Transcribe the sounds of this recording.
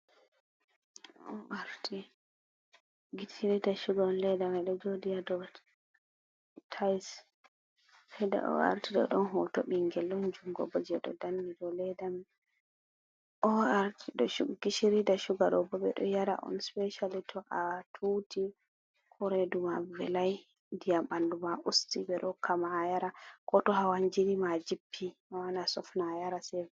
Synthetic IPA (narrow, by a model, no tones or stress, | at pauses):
ɔʔaɾtʰi | ɡitiɾidaʃuɡaɔnlɛdamɛɗɔd͡ʒodijadɔ | tʰajs | hɛda̰ʔɔ̰a̰ɾtiɗɔ̰ɗɔnɦɔtoɓiŋɡɛlːɔnd͡ʒuŋɡɔ̰bɔd͡ʒɛɗɔ̰danːiɗɔlɛdam | ʔɔaɾtʰiɗɔʃuɡɡiʃiɾidaʃuɡaɗɔbɔbɛɗɔjaɾa̰ʔɔ̰nspɛʃalitʰɔʔatʰutʰi | kʰɔɾedumavɛlaj | ndijaɓandumaʔustibɛɗɔkʰamajaɾakɔtɔɦawaɲd͡ʒiɾimad͡ʒipʰːiawanasɔfnajaɾasɛv